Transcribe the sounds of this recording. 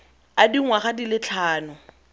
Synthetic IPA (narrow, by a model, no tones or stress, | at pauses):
adiŋwaχadilɪt͡ɬʰaːnʊ